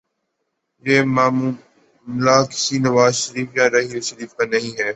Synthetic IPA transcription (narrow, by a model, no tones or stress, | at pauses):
jeːmaː | mlaːkɪ̥siːnɐʋaːzʃəɾiːfjãːɾɐɦiːʃəɾiːfkãnɐɦĩːɦɛː